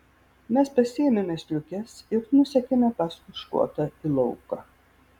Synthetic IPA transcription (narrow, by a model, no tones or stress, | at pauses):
mʲɛspɐsʲɪɛmʲɛmʲɛsʲlʲʊkʲɛsɪɾnʊsʲɛkʲɛmʲɛpɑskʊʃkṵɔt̪ɐilˠɔʊkɐ